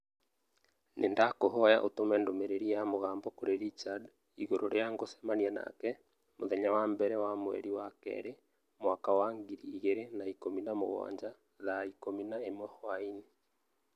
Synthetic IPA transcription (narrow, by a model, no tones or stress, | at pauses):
nʔendakoɦɔjaʔotomɛndomeɾeɾijamoɣaːmbɔkoɾeɾit͡ʃad | iɣoɾoɾeaŋɡosɛ̥maniɛna̰kɛ | moðɛɲawambɛɾɛwamwɛ̰ɾiwakɛ̰ɾe | mwakawaŋɡiɾiːɣeɾenaikominamo̰ɣɔ̰ːɲd͡ʒa | ðaikominaemwɔhwaini